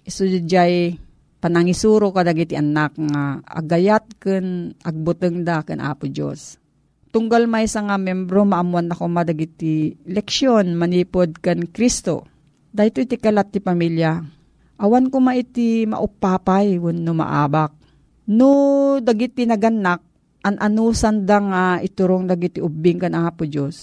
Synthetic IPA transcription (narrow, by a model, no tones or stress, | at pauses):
ʔɪsud͡ʒaj | pɐnɐŋisuːɾokad̪ɐɡit̪iʔanakŋaʔɐ̰ɡɐjat̪̚kɨnɐ̰ɡ̚bʊt̪ɨŋd̪akɐnʔa̰ːpʊd͡ʒo̰s | t̪ʊŋɡalmajsaŋamjɛmbɾomɐʔɐmuanːakomad̪ɐɡit̪ːilɛk̚ʃjonmɐniːpod̪̚kɐnkɾist̪o̰ | d̪ajt̪oit̪ikɐlat̪̚ːɪpɐmilja | ʔɐwankomaʔɪt̪imɐ̰ʔʊpːaːpajwʊnːomɐ̰ʔa̰ːbak̚ | nod̪ɐɡit̪ːɪnɐɡɐnːak̚ | ʔɐŋʔɐnuːsand̪aŋaʔɪt̪ʊɾoŋd̪ɐɡit̪ɪʔʊbːɪŋkɐnaːpʊd͡ʒos